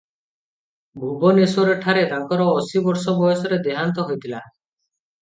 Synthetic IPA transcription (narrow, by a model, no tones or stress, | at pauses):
bʱubɔnesoɾeʈʰaɾet̪aŋkɔɾɔːsibɔɾsɔbɔjɔsɔɾed̪eɦant̪ɔɦojt̪ʰila